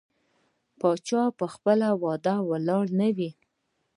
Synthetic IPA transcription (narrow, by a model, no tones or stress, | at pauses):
pɑt͡ʃɑpəxpəlawɑd̪awəlɑɽnəwi